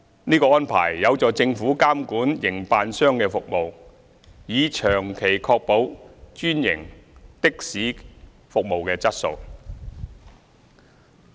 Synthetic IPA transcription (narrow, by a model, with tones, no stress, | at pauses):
niː˥kɔː˧ɔː˥npʰa̰ː˨˩jːɐ˨˧wt͡sɔː˨˩t͡sɪ˧ŋfuː˨˥kaː˥mkuː˨˥njɪ˨˩ŋpaː˨˧nsœː˥ŋkɛː˧fʊ˨k̚mo˨w | jiː˨˧t͡ʃʰœː˨˩ŋkʰe˨˩jkʰɔː˧k̚po˨˥wt͡ʃyː˥njɪ˨˩ŋt̪ɪ˥k̚siː˨˥ | fʊ˨k̚mo˨wkɛː˧t͡sɐ˥t̚so̰˧w